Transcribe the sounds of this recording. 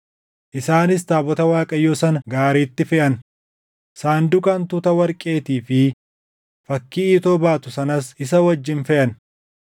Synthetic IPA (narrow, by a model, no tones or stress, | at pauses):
ʔɪsaːnɪs̬t̪aːbɔt̪ɐwaːkʼɐjːoːsɐnɐɡaːɾiːt̪ːɪfɛʔɐn | saːnd̪ʊkʼɐnt̪ʊt̪ɐwɐɾkʼe̞ːt̪iːfɪ | fɐkːiːt̪oːbaːt̪ʊsɐnɐsɪs̬ɐwɐd͡ʒːɪnfɛʔɐn